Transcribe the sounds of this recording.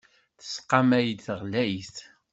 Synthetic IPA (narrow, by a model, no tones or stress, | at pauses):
θə̥sqːɑmæjəd̪θəʁlæjθ